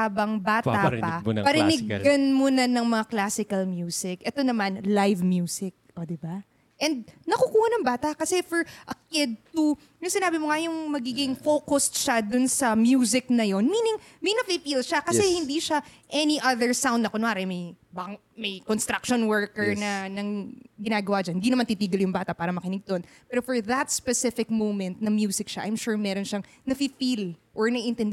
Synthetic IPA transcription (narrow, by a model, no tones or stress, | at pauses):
haːbɐŋbaːt̪apɐpɐɾɪnɪɡɐnmonɐnɐŋmɐŋaklaːsɪkɐlmjuːsɪkʔɛt̪o̞nɐmanlajvmjuːsɪk̚ʔod̪ɪba | ʔɛnd̪̚nɐkukuːhɐnɐŋbaːt̪ɐkɐsɛfɔɹʔɐkɪd̪̚t̪u | jʊŋsɪnaːbɪmoŋɐjʊŋmɐɡiːɡɪŋfoːkost̪ʃad̪ʊnsɐmjuːs̬ɪk̚nɐjo̞nmiːnɪŋ | minɐfɪfilʃakɐsɛhɪnd̪iʃaʔɛniʔɐðɛɹsãw̃nd̪ɐkonaːɾɛmɐjbakŋ | mɐjkonst̪ɾak̚ʃonwɛɹkɛɹnɐnɐŋɡɪnaːɡɐwad͡ʒaɐnhɪnd̪iːnɐmant̪it̪iːɡɐljʊŋbaːt̪ɐʔpaːɾɐmɐkɪnɪɡ̚d̪onpɛɾofɔɹðɐt̪̚spɛsɪfɪk̚mowmɛnt̪̚nɐmjuːsɪkʃaʔɐjmʃuːɹmɛɾonʃaŋ | nɐfɪfilʔɔɹnɐʔɪnt̪ɛn